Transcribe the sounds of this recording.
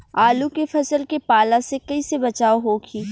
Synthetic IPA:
aːlukefɐsəlkepaːlãsekɐisebɐt͡ʃaːoɦokʰiː

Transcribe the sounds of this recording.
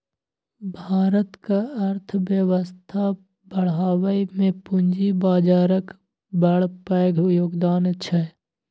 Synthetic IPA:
bʱaːɾət̪kaɐɾt̪ʰʋjəwəst̪ʰa | bəɽ̤aːwəimẽpʊnd͡ʒibaːd͡ʒaːɾək | bɐɽpɛːɡʱjoːɡd̪aːnt͡ʃʰɛ

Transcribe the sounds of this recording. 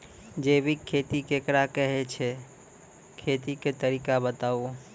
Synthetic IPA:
d͡ʒebʱikʰːet̪ikekɾakəɦet͡ʃʰe | kʰet̪iket̪əɾikabət̪ao

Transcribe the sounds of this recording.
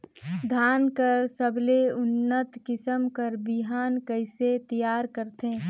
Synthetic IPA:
d̪ʱaːnkəɾsəbleʊnːət̪kɪsəmkəɾbɪɦaːnkəɪset̪ijaːɾkəɾt̪ẽː

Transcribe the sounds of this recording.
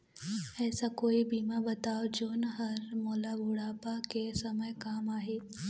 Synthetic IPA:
ɛːsakoːibʱiːmãbɐt̪aːʋod͡ʒoːnəɦɐɾmɔːlabʱuɽaːpakesɐməjkaːmaːɦeː

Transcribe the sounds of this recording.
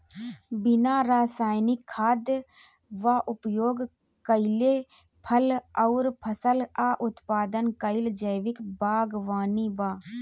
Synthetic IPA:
bɪnaɾaːsaːjnɪkʰːaːd̪ | ʋaʔʊpjoːɡ | kəɪle | pʰələʊɾpʰəsəlaːʔʊt̪paːd̪ənkəɪld͡ʒəjʋɪkbaːɡʋaːnibaː

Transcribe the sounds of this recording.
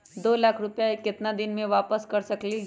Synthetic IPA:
d̪oːlaːkʰɾʊpjaekɪt̪nad̪ɪnmẽʋaːpəskɐɾsəkli

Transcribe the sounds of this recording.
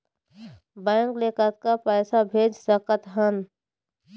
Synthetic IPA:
bəəŋkleːkət̪̚kapɛːsabʱeːd͡ʒsəkət̪ɦən

